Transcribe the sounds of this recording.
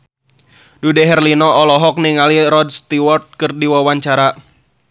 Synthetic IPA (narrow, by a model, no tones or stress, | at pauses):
dudɛɦɛrlinɔɔlɔɦɔk̚niŋaliɾɔdst̪iwɔrt̪̚kɨrdiwawaɲt͡ʃaɾa